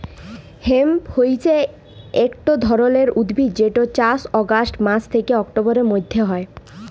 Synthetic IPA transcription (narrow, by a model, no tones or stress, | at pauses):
hemhojt͡ɕʰe | ekʈod̪ʱɔɾoleɾud̪bʱid͡ʑeʈot͡ɕasɔɡasʈmat͡ɕʰt̪ʰekeɔkʈoboɾeɾmojd̪ʱːeɦɔe